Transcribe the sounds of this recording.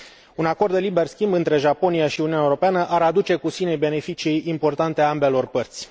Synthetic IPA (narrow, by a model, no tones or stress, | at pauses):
unako̞rd̪elibe̞rskʲimbɨnt̪ɾe̞ʒapo̞niaʃiuniunʲaeuɾo̞peanəʔaɾad̪ut͡ʃe̞kusine̞jbe̞ne̞fit͡ʃijimpo̞rt̪ant̪eaambe̞lo̞rpərt̪sʲ